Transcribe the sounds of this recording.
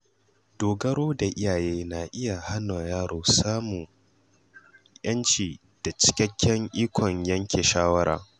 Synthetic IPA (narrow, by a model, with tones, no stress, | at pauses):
doː˨ɡɐ˦ɾoː˦da˨ʔɪ˦jaː˨jeː˦na˨ʔɪ˦ja˨ha˦na˨jaː˦ɽoː˨saː˦muː˨ | jɐ˦nt͡ʃiː˨ | d̥a˨t͡ʃɪ̥˦kʲɐ˦kʲʰːɛ˦ŋʔiː˦kʷʰɔ˨ɲjɐ˦ŋkʲʰeː˨ʃaː˦wɐ˦ɾa̰ː˨